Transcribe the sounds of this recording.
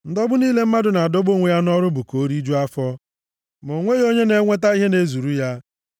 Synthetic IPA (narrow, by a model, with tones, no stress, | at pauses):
n̩˦dɔ˦bʊ˦niː˦le˦m̩˦ma˦dʊ˨na˨a˨do˦bo˦ŋʷe˦˨ja˦nɔ˦ɾʊ˦bu˨ko˨˦ɾi˦d͡ʒu˦a˦fɔ˦ | mo˨ŋʷe˦jo˦ɲe˦ne˨˦ŋʷe˦t̬a˦i˦ɦe˦ne˦zu˨ɾu˦ja˦